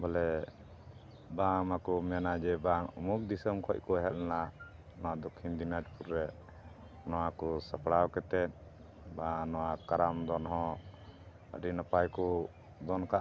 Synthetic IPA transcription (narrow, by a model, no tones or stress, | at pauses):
bɔlɛ | bamakɔmɛnad͡ʒɛbaŋumuk̚d̪isəmkʰɔc̚ˀkɔɦɛl̚na | nɔwad̪ɔkʰind̪inad͡ʒpuɾɾɛ | nɔwakɔsəpɽawkɛt̪ɛt̪̚ | banɔwakaɾamd̪ɔnɦɔ̃ | ə̰ɾinəpajkɔ | d̪ɔnkaʔ